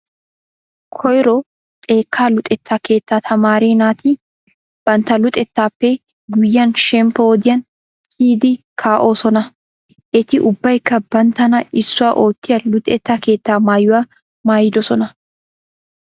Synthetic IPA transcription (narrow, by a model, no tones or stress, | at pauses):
kʰɔjɾɔ | kʼe̞ːkʰːaːlʊt̪ʼɛt̪ːaːke̞ːt̪ːaːt̪ʰɐmaːɾeːnaːt̪ɪ | b̥ɐnt̪ːɐlʊt̪ʼɛt̪ːaːpːɛ | ɡʊjːɐnʃɛmpɔoːd̪ɪjɐn | t̪ʰiːd̪ɪkʰaːʔo̞ːsɔnɐ | ʔɛt̪ɪʔʊbːɐjkːɐb̥ɐnt̪ːɐnɐʔɪsːʊwaːʔo̞ːt̪ːɪjɐlʊt̪ʼɛt̪ːaːke̞ːt̪ːaːmaːjːʊwaː | maːjɪd̪ɔsɔnɐ